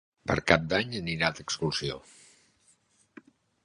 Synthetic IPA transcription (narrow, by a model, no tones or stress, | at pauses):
pə̰ɾkap̚d̪aɲəniɾat̪əkskulsio̰